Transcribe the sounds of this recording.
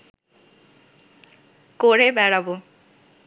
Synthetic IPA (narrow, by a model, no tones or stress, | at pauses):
koɾebɛɽabo